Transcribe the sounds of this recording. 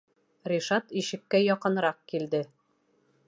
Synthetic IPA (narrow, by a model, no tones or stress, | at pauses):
rʲiʃɑt̪iʃɘ̆kːæjɒqɤ̆nɾɑq̚kild̪ɘ